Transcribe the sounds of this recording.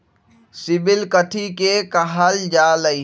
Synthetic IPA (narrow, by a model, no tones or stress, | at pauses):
sɪbɪlkəʈʰikekəɦald͡ʒaːləi